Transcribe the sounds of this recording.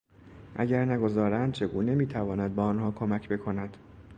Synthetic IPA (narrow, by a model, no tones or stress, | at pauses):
ʔæ̰ɟæɾnæɡo̞zɒːɾænd̪̥t͡ʃʰe̞ɡuːne̞miːt̪ʰævɒːnæd̪̚bɒːnhɒːkʰomæcʰbe̞kʰo̞næd̪̥